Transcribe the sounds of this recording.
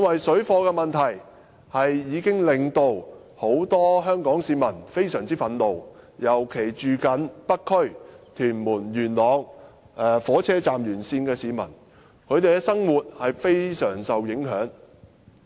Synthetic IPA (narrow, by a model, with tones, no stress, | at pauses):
ɐ˥nwɐ˨jsɵ˨˥ɥfɔː˧kɛː˧mɐ˨nt̪ʰɐ˨˩j | hɐ˨jːiː˨˧kɪ˥ŋlɪ˨ŋt̪o˧w | ho˨˥wt̪ɔː˥ɦœː˥ŋkɔː˨˥ŋsiː˨˧mɐ˨˩nfe˥jsœː˨˩ŋt͡siː˥fɐ˨˧˥nlo˨wjɐ˨˩wkʰe˨˩jt͡ʃyː˨kɐ˨˥npɐ˥kʰːɵ˥ɥt̪ʰyː˨˩nmuː˨˩njyː˨˩nlɔː˨˧ŋ | ɛ˨fɔː˨˥t͡sʰɛː˥t͡saː˨mjyː˨˩nsiː˧nkɛː˧siː˨˧mɐ̰˨˩n | kʰɵ˨˧ɥt̪e˨jkɛ˧sɐ˥ŋwuː˨t̚hɐ˨jfe˥jsœː˨˩ŋsɐ˨wjɪ˨˥ŋɦœ̰ː˨˥ŋ